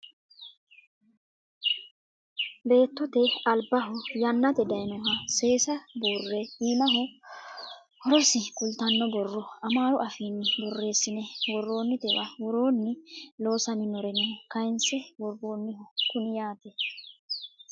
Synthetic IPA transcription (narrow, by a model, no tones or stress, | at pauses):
be̞ːt̪ːɔt̪ɛɐlbɐɦʊjɐnːɐt̪ɛd̪ɐjnɔɦɐse̞ːsɐbuːrːɛhiːnɐɦʊ | hɔɾɔsɪkʼʊlt̪ɐnːɔbɔrːɔɐmaːɾʊʔɐfiːnːɪbɔrːe̞ːsːɪnɛwɔrːo̞ːnːɪt̪ɛwɐwɔɾo̞ːnːɪlo̞ːsɐmɪnɔɾɛnɛhɔkɐjnsɛwɔɾo̞ːnːɪhʊkʊnɪjaːt̪ɛ